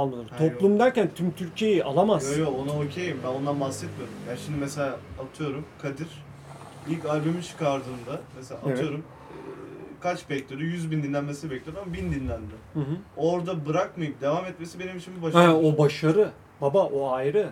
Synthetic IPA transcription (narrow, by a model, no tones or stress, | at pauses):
alˠmanɯo̞plˠumd̪æɾcænt̪ʰymt̪ʰyɾcʰe̞jiʔalˠamazjoonaocʰejmbænond̪anbasːɛt̪meɾumjanʃimd̪imɛse̞lʲaːt̪ʰɯjo̞ɾumkʰad̪iɾ̥ | ilʲcajbumint͡ʃʰɯ̥kʰaɾd̪ɯːnd̪amesea̰aevɯjo̞ɾum | kʰat͡ʃbɛclʲeɾyjyzbind̪inlʲænmesinbɛclʲijoɾamabind̪inlʲænd̪ɛhɯ̃ɦɯo̞ɾd̪abɯɾak̚majɯp̚d̪e̞vamɛt̪me̞sibe̞nimʃʰimibaʃaaobaʃaɾɯ | babaʔoajɾɯ